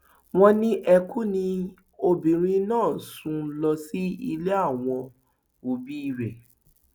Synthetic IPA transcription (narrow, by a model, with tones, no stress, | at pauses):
w̃ɔ̃˦nĩ˦ʔɛ˧ku˦nĩ˧ | o˧bĩ˨ɾ̃ĩ˧˦nãː˦˨sũ˧˦lɔ˧si˦i˧le˦a˦˨w̃ɔ̃˧ | o˨bi˦i˦˨ɾɛ˨